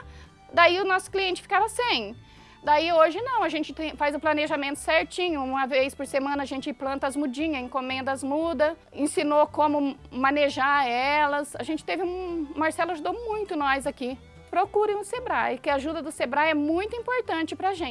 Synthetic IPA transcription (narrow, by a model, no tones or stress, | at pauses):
d̪aiʊnɔsʊ̥kliẽnt͡ʃɪ̥fi̥kaɾasẽj̃ | d̪aioʒɪnɐ̃w̃ɐʒẽnt͡ʃɪt̪ẽj̃fajzʊ̃planeʒamẽnt̪ʊ̥sɛɾt͡ʃĩɲʊũmɐvejspoɾsemɐ̃nɐːʒẽnt͡ʃɪiplɐ̃nt̪ɐzmud͡ʒĩɲɐẽkõmẽnd̪ɐzmud̪ɐ | ĩsinokõmʊmãneʒaɛlɐsaʒẽnt͡ʃɪt̪evɪũmaɾsɛlʊaʒud̪omũj̃t̪ʊnɔjzaki | pɾokuɾẽj̃ʊsebɾajʊkɪaʒud̪ɐd̪ʊsebɾajɛmũj̃t̪ʊĩpoɾt̪ɐ̃nt͡ʃɪpɾɐʒẽ